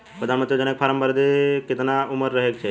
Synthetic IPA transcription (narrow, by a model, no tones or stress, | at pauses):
pɾəd̪anmənt̪ɾijd͡ʒənek̚pʰaɾəmbəɾd̪ekɪt̪naʊməɾːəɦekt͡ʃʰe